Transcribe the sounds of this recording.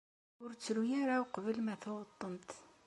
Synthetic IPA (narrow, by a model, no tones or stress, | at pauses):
ʊɾt͡sːɾujaɾawqvəlmæθoʁət̪ˤːənt̪